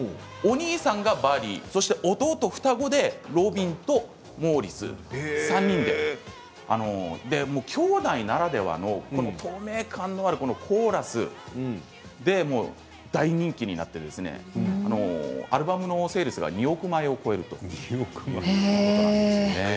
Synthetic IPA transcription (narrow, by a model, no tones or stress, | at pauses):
oɲ̟iːsãŋɡabaɾʲḭso̞ɕi̥t̪e̞ʔo̞t̪o̞ːt̪o̞ɸɯ̟̥t̪aɡo̞d̪e̞ɾo̞bʲĩnt̪o̞ | mo̞ːɾʲit͡sɨ̰sãɲ̟ːĩnd̪e̞ | a̰no̞d̪e̞mo̞ːkʲʰo̞ːd̪ainaɾad̪e̞βa̰no̞kko̞not̪ʰo̞ːme̞ːkʰãnːo̞aɾɯ̟ko̞no̞kʰo̞ːɾasɨ̰ | d̪e̞mo̞ː | d̪aiɲ̟ĩŋkʲiɲ̟ina̰t̪ːe̞d̪e̞sɨne̞̰ano̞aɾɯ̟bamɯ̟no̞se̞ːɾɯsɨɡa̰ɲ̟io̞kɯ̟maeo̞ko̞e̞ɾɯ̟t̪o̞ | sne